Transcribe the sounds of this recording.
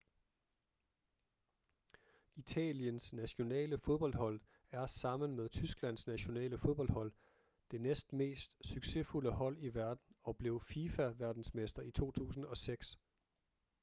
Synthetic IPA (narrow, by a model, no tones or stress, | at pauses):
it͡sʰɛ̰ːljənsnæɕo̝nɛ̰ːləfoð̞ˠb̥ɒ̽l̰d̥hɒ̽l̰ | æɐsɑ̈m̰ən̩meðˠt͡sʰysɡ̥læn̰snæɕo̝nɛ̰ːləfoðˠb̥ɒ̽l̰d̥hɒ̽l̰ | d̥e̝nesd̥me̝̰ːsd̥syɡ̥se̝fuləhɒ̽l̰iʋæɐd̥n̩ɒ̽b̥le̝ʊfifæʋæɐd̥n̩smesd̥ɐit͡sʰo̝̰ːt͡sʰṵːsn̩ɒ̽seɡ̥s